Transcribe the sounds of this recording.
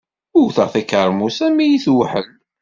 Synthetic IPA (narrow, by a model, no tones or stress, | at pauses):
ʊwθəʁθækːəɾˤmusæmijiθwħə̰l